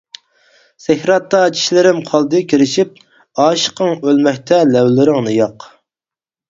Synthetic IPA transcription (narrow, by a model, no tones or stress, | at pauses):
sɪhɾɑt̪ːɑt͡ʃʰi̥ʃlɪɾɪmqʰɑlˠd̪ɨkʲʰiɾɪʃip̚ | ɑːʃə̥qəŋølmɛkʲt̪ʰɛlɛwlɪɾɪŋnɨjɑq